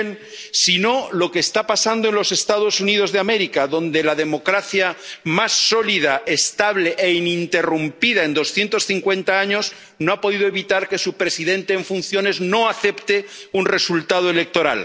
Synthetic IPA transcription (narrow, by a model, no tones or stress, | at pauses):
n | sino̞lo̞keːst̪apasand̪oe̞nlo̞se̞st̪að̞o̞sunið̞o̞zðeame̞ɾikaðõ̞nd̪e̞laðe̞mo̞kɾaθjamasːo̞lið̞aest̪aβleʔeinint̪e̞rumpið̞ae̞nd̪o̞sθje̞nt̪o̞sθiŋkwe̞nt̪aaɲo̞z | no̞apo̞ðiðoe̞βit̪aɾke̞supɾe̞siðe̞nt̪e̞ːɱfunθjo̞ne̞zno̞aθe̞pt̪eunre̞sult̪að̞oele̞k̚t̪o̞ɾa̰l